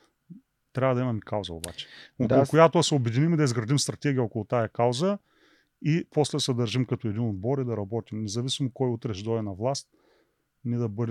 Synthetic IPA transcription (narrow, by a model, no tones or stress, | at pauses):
t̪ɾʲavɐd̪ɐimɐmikawzɐo̰ba̰t͡ʃɛ̥olˠkojat̪oɐsɛobɛd̪inimid̪ɐizɡɾɐd̪imst̪ɾɐt̪ɛɡʲijəokolˠʊt̪ajɐkawzə | ipɔslɛsɛd̪ɐɾʒimkɐt̪oɛd̪inod̪̚bɔɾid̪ɐɾɐbɔt̪ʲimnɛzɐvisimokɔjut̪ɾɛʃd̪ɔɛnɐvlˠast̪ | nid̪ɐbɤd̪ɛ